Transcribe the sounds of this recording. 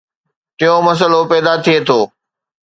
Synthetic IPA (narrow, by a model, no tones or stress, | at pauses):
t̪ɪjõmɐs̬əlopɛːd̪at̪ʰiet̪ʰoː